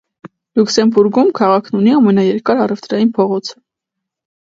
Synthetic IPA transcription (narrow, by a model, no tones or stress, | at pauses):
luksɛmbuɾɡumkʰɑʁɑkʰnuniɑmɛnɑjɛɾkɑɾɑrɛft̪ɾɑjinpʰɔʁɔt͡sʰə̥